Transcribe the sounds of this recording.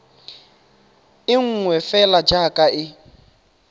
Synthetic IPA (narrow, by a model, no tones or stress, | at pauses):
ɪŋ̩ŋwɛfɛlad͡ʒakʼaʔɪ